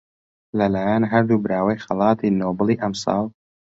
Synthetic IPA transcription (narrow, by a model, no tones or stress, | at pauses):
lɐlaːjanɦɐɾd̪ubɨɾaːwɐjxɐlɑːt̪iːnoːbɨlˠiːʔɐmsˤɑ̰ːlˠ